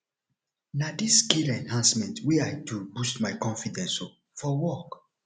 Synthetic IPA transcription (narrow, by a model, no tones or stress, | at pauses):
nadisːkilɛ̃nhãnsmɛ̃ntʰwiajtubustmaɪkɔ̃nfidɛ̃nsɔ | fɔwɔk